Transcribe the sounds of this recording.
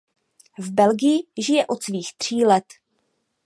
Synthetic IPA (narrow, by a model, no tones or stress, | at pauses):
vbɛlɡɪjɪʒɪjɛʔo̞t̪sviːxt̪r̝̥iːlɛt̪